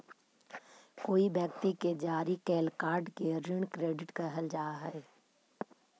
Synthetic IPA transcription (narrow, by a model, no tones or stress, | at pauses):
koːibjək̚t̪iked͡ʒaːɾikɛːlkaːɾɖkeɾɪɳ̃kɾeːɖɪʈkəɦəld͡ʒaːɦɛː